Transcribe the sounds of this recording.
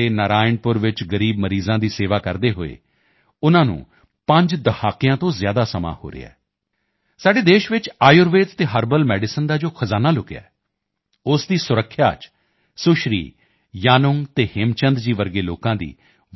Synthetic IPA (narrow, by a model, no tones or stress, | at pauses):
eːnəɾaːɪɳpʊɾʋɪt͡ʃɡəɾiːbməɾiːzãːd̪iːseːʋaːkəɾd̪eːɦoːḛː | ʊnãːnṵ̃ː | pə̃ɲd͡ʒd̪əhʰaːkɪjãːt̪õːzjaːd̪aːsəma̰ːho̰ːɾɪ̰ːa̰ː | saːɖeːd̪eːʃʋɪt͡ʃaːjʊɾʋeːd͡ʒt̪eːɦəɾbəlmɛːɖɪsənd̪aːd͡ʒoːkʰəzaːnaːlʊkeja̰ːɛː | ʊsd̪iːsʊɾəkʰːja̰ːt͡ʃ | sʊʃɾḭː | jaːnʊŋt̪eːhɪmt͡ʃənd̪d͡ʒiːʋəɾɡeːloːkãːd̪ḭː